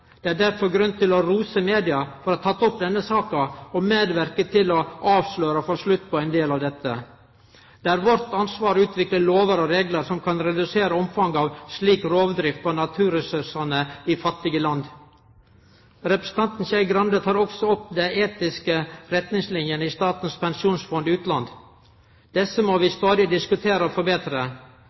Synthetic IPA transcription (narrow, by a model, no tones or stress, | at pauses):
d̪̥ɛæɖæɾfɔɾɡɾʉnt̪ʰːɪlɔɾuːsəmeːd̪ɪɑfɔɾɔt̪ʰːɑt̪ːɔpd̪ɛnːəsɑːkɑɔmeːd̪ʋæɾkət̪ʰɪlɔʔɑːʋsløːɾəfoʂlʉt̪ːpʰɔæɪnd̪eːlɑʋd̪ɛt̪ːə̰ | d̪̥ɛæɾʋɔɾt̪ɑnsʋɑːɾʉːt̪ʋɪkləloːʋəɾɔɾeːɡləɾsɔmkʰɑnɾɛd̪ʉseːɾəɔmfɑŋɑʋsliːkɾoːʋd̪ɾɪft̪̚pʰoːnɑt̪ʰʉːɾɛsʉʂɑnəifɑt̪ːɪɡəlɑnd̪ | ɾɛpɾəsn̩t̪ɑnt̪n̩çæɪɡɾɑnd̪ət̪ʰɑːɾɔɡsɔɔpːd̪ɛeːt̪ɪskəɾɛt̪nɪŋslɪnjənəiːst̪ɑːt̪n̩spɛnsuːnsfɔnd̪ɪʉːt̪lɑnd̪ | d̪̥ɛsːəmoʋɪst̪ɑːd̪ɪd̪ɪskʉt̪ʰeːɾəɔfɔɾbeːt̪ɾə